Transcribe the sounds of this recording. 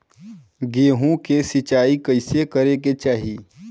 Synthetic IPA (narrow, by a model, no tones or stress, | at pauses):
ɡeːɦõkesɪt͡ʃaːikəɪsekəɾeket͡ʃaːɦiː